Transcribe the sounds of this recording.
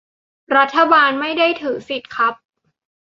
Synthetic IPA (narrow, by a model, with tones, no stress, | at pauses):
ɾa˦˥t̪ʰːa˧baː˧nma˥˩jda˥˩jt̪ʰɯː˩˦si˨˩t̪̚kʰa˦˥p̚